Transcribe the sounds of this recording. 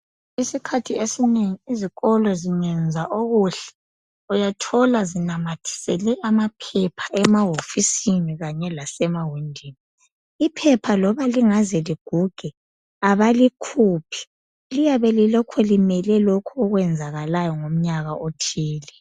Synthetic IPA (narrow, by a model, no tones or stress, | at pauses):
isikʰatʰiesineŋiiziɣɔlɔziŋɛnd͡zʱaʔoɣuɬɛ̥ | ujatʰɔlazinamatʰi̥sɛlɛʔamapʰɛpʰaʔɛmaɦofisiniɣaɲɛlasɛmawindʱiːni | ipʰɛpʰalɔβaliŋazɛliɡ̥ʱuɡ̥ʱɛ | aβalikʰuːpʰi̥ | lijaβɛlilɔkʰɔlimɛlɛlokʰɔɔɣwɛnd͡zʱaɣalajɔŋom̩ɲaɣaʔotʰiːli